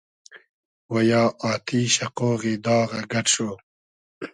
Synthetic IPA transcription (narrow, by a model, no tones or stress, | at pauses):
wɐjɑːʔɑːt̪ʰiɕɐqoːɣid̪ɑːɣaɡɐʈʂo